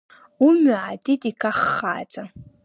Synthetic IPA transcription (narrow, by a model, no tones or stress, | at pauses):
umʕadʼitʼikʰaχːa̰ːt͡sʼa